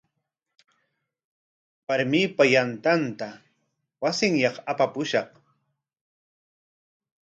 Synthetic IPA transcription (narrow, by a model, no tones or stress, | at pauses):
waɾmɪpajant̪ant̪a | wasɪŋjɑχapapʊʃɑχ